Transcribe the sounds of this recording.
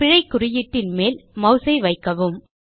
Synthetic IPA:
pɪɻɐɪkːʊrɪjɪʈːɪnmeːlmɐʊsɐɪʋɐɪkːɐʋɯm

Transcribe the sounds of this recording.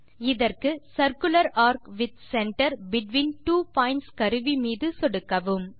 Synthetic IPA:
ɪðɐrkɯsɐɾkɯlɐɾaːɾkʋɪt̪sɛɳʈɐɾbɪʈʋiːnʈuːpaːɪɳʈskɐɾɯʋimiːðɯsɔɽɯkːɐʋɯm

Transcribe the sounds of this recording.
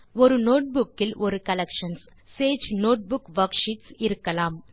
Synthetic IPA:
ɔɾɯnoːʈ̚bʊkːɪlʔɔɾɯkɐlɛkʂɐns | seːd͡ʒnoːʈ̚bʊkʋɐɾkʂɪʈsɪɾɯkːɐlaːm

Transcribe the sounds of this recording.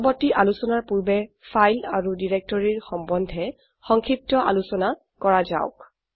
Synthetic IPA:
bɔtiʔalusɔnaɹpuɹbɛfʰajlaɹudiɹɛk̚tɔɹiɹxɔmbɔndʱɛ | xɔŋkʰip̚tɔʔa̰lusɔna | kɔɹaza̰ʊk

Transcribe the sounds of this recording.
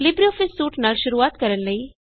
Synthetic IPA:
lɪbɾioːfɪsːuːʈnaːlʃʊɾuaːt̪kəɾənləiː

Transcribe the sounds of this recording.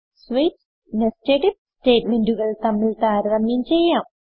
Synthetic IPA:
sʋet͡ɕ | nesʈeːʈip̚sʈeːʈmeɳɖuɣɐɭt̪ɐmːiɭt̪aːɾɾɐmjɐmt͡ɕejːaːm

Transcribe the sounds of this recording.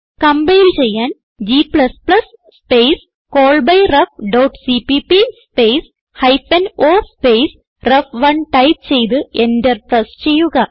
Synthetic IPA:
kɐmbɐjilt͡ɕe̞jːaːn | d͡ʑipɭɐspɭɐs | spejs | koːɭbɐjrɐfɖɐwʈsipipispejs | hɐjfɐnoːspejs | rɐfʋɐɳʈɐjtt͡ɕe̞jt̪̬ɨʔendɐrt̪ɐst͡ɕe̞jːuɣɐ

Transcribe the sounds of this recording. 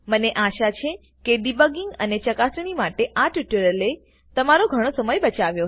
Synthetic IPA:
məneʔaʃat͡ʃʰe | keɖibəɡiŋɡənet͡ʃəkasnimaʈeʔaʈiʈəɾəle | t̪əmaɾoɡʱəɽ̃osəməjbət͡ʃaʋjo

